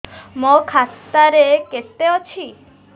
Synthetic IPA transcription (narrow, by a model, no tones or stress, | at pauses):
mɔkʰast̪aɾekest̪eɔt͡ʃʰi